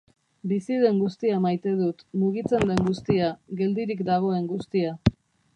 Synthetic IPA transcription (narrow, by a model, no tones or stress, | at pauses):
bisið̞e̞ŋɡust̪iamajt̪e̞ðut̪muɣ̞it͡se̞nd̪e̞ŋɡust̪iaɣe̞ld̪iɾikd̪aɣ̞o̞e̞ŋɡust̪ia